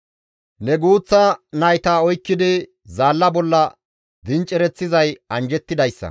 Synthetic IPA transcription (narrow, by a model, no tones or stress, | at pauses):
nɛɡuːt͡sːɐnɐjt̪aːɔjkːɪd̪ɪ | zaːlːɐbɔlːɐ | d̪ɪnt͡ʃʼɛɾɛt͡sːɪzɐjɐnd͡ʒɛt̪ːɪd̪ɐjsːɐ̰